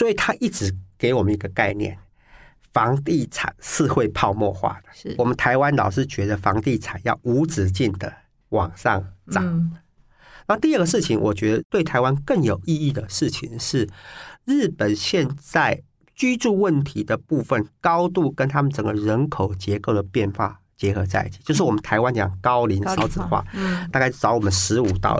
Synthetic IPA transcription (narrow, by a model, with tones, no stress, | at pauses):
swɔ˧˥i˨˩t̪ʰa˥ʔi˥˩ʈ͡ʂɻ̩˧˥ke˧˥ɪwɔ˨˩mə̃˦ni˧˥ɡə˧ka˥˧ɪnjɛ̰˥˨˩n | fɑ˧˦˥ŋt̪i˥˩t͡sʰa̰˨˩nʂɻ̩˥˧xwe˥˧ɪpʰɑ˥˧ʊmwɔ˥˧xwa̰˥˩d̪ə˩wɔ˨˩mə˦nt̪ʰa˧˥ɪwa˦nlɑ˨˩ʊʂɻ̩˥˩t͡ɕɥɛ˧˥d̪ə˧fɑ˧˥ŋt̪i˥˩t͡sʰa˨˩njɑ̰˥˩ʊu˧˥t͡sɻ̩˨˩t͡ɕi˥˩nd̪ə˩ | wɑ˨˩ŋʂɑ̰˥˩ŋʈ͡ʂɑ˨˦ŋ | na˥˧˥t̪i˥˧ə˥˩ɡə˩ʂ̬ɻ̩˥˩t͡ɕʰi˨˩ŋwʔɔ̰˨˩t͡ɕɥɛ˧˥d̪ə˧t̪we˥˩ɪt̪ʰa˧˥ɪwa˦˥nkə˥˩ŋjo˨˩ʊʔi˥˧i˥˩d̪ə˩ʂɻ̩˥˩t͡ɕʰi˨ŋʂɻ̩˥˩ɻ̩˥˩pə˨˩nɕjɛ˥˧nt͡sa˥˩ɪ | t͡ɕy˥ʈ͡ʂu˥˧wə˥˩nt̪ʰi˧˥d̪ə˨pu˥˧fə˨nkɑ˥ʊt̪u˥˩kə˦˥nt̪ʰa˥mə˨nt͡sə˨˩ŋɡə˦ɻə˧˦˥nkʰo˨˩ʊt͡ɕjɛ˧˥ko˥˩ʊd̪ə˩pjɛ˥˧nxwa̰˥˩ | t͡ɕjɛ˧˥xɤ˧˥t͡sa˥˧ɪi˥˩t͡ɕʰi˨t͡ɕjo˥˧ʊʂ̬ɻ̩˥˩wmə˦nt̪ʰa˧˥ɪwa˦˥nt͡ɕjɑ̰˨˩ŋkɑ˦˥ʊli˧˥˦nsɑ˥ʊt͡sɹ̩˨˩xwa̰˥˩t̪a˥˧ka˥˧ɪ˥˩ʈ͡ʂɑ˧˥ʊwɔ˨˩mə˦nʂɻ̩˧˥u˨˩t̪ɑ̰˥˩ʊ